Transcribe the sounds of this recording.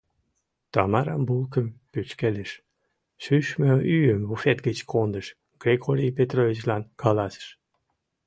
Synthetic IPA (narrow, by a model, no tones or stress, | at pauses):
t̪ɑmɑɾɑ̰mbulˠkə̆mpyt͡ɕkeləʃ | ʃyʃmøyjəmβufet̪ɡət͡ɕkʰond̪ə̆ʃ | ɡ̥ɾʲeɡoɾʲijpet̪rovʲit͡ɕlɑnkʰɑlɑsə̥ʃ